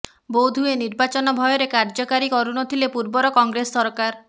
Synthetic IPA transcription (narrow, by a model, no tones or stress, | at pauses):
bowd̪ʱueniɾbat͡ʃɔnɔbʱɔjɔɾekaɾd͡ʒɔkaɾikɔɾunɔt̪ʰilepuɾbɔɾɔkɔŋɡɾesːɔɾkaɾ